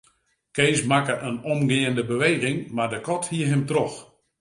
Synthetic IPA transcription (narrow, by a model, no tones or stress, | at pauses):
keːsmakəʔənɔmɡɪːəndəbəʋeːɣɪŋmardəkɔthiəɦɪmtrɔx